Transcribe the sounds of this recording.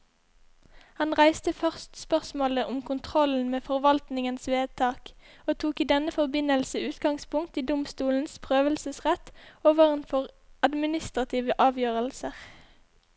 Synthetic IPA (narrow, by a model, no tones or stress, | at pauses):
hɑnʁæɪst̪əfœʁst̪spœʁsmoːləʔʊmkʰʊnt̪ʰʁɔln̩meːfɔʁʋɑlt̪nɪŋənsʋeːd̪̚t̪ʰɑːk | oːt̪ʰuːkiːd̪ɛnəfɔʁbɪnəlsəʉːt̪ɡɑŋspʊŋk̚t̪iːd̪ʊmst̪uːln̩spʰʁøːʋəlsəsʁɛt̪oːʋəʁənfɔʁɑd̪mɪnɪst̪ʁɑt̪ʰiːʋəʔɑːʋjøːʁəlsəʁ